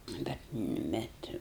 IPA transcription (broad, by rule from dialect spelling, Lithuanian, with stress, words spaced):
ˈnʊ bʲɛt ˈbʲɛt